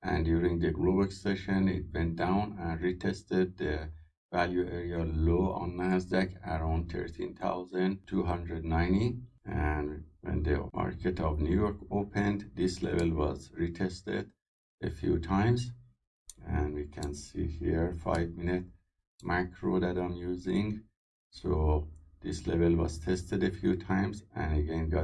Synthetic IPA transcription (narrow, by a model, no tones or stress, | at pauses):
ʔæ̰̃ndjuːɾĩŋɡd̪əɡlobəkseʃə̃nḭt̪̚vɛ̃nt̚dawnæ̃nɹit̪ʰest̪ed̪̚ːə | væljueɹialoːɑ̰̃nːæsd̪ækʰæɾãw̃nd̪t̪ʰḛɹt̪ʰḭ̃nt̪ʰa̰wzæ̃nt̪ʰuːɦʌ̃nd̪ɹednãjntiændwɛ̰̃nd̪əmɑ̰ɹkʰet̪ʰɔvnjujoɹkʰoːpʰẽndd̪islḛvelwɔzɹit̪ʰest̪ḛd | efjṵːtʰãj̃mz | æ̃nwiːkʰæ̃nsiːhiɹfa̰jvminɪt̪ | mækʰɹod̪ædãmjuːzĩŋɡ | sod̪̥islevelʋɔ̰z̥t̪ʰest̪edefjuːt̪ʰãjmzæ̰̃nəɡẽnɡɑ